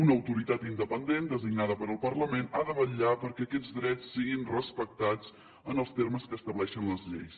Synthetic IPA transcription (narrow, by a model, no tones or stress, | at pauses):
unəəwt̪uɾit̪at̪ind̪əpənd̪end̪əziɡ̚naðəpəɾəlˠpərləmenaðəβəʎapəɾkɛəkɛd͡zðd̪ɾɛt͡sːiɣinrəspək̚t̪at͡s | ənəlˠst̪erməskəːst̪əβlɛʃənləzʎejs